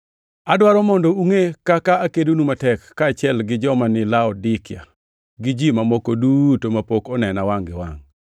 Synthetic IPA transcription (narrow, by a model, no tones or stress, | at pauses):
adwaɾɔmɔndɔuŋekakaakedunumatɛkːaːt͡ʃɛlɡɪd͡ʒɔmanɪlaɔdɪkja̰ | ɡɪd͡ʒimamokodutomapokɔnɛnawaŋɡɪ̰wa̰ŋ